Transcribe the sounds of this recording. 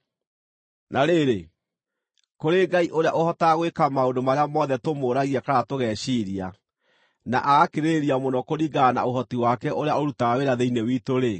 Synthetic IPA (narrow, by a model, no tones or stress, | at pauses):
nʔaɾeɾe | koɾeɡaiʔoɾea̰ʔohɔtaːɣwekamaondomaɾeamɔðɛtomoɾaɣiakaɾatoɣɛːɕiːɾia | na̰ʔaɣakeɾeɾiamonɔkoɾiɡana̰oɦɔtiwakɛʔoɾeaoɾutaaweɾaðeinewiːtoɾe